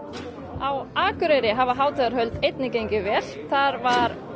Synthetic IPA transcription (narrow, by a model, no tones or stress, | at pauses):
awaːkʏɾeɾɪɦavaɦaːwt̪ʰaðaɾ̥ɦœɥlt̪ejt̪̚nɪcejɲcɪvɛːɾ̥θaɾvaɾ